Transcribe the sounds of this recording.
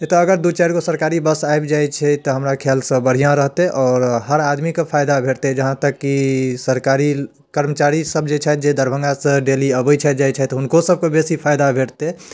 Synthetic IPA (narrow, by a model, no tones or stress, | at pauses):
et̪ɔːɡəɾd̪ut͡ʃɛɾkosəɾkaɾibəsaebd͡ʒajt͡ʃʰɛt̪ɔɦəmɾakʰelsə̃bəɽ̤ijãɾəɦt̪eʔɔːɾɦəɾad̪mikepʰajd̪abʱeʈt̪ed͡ʒəɦãt̪əkːisəɾkaɾi | kəɾmət͡ʃaɾisəbd͡ʒet͡ʃʰɛd͡ʒed̪ʱəɾbʱə̃ŋɡasə̃ɖeliəbət͡ʃʰɛd͡ʒajt͡ʃʰɛt̪ɔɦʊnkosəb̚kebesipʰajd̪abʱeʈt̪e